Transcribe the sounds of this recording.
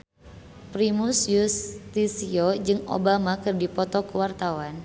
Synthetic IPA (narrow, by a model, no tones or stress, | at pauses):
pɾimusjust̪isiod͡ʒɨŋo̰bamakɨrdipɔt̪ɔkuwart̪awan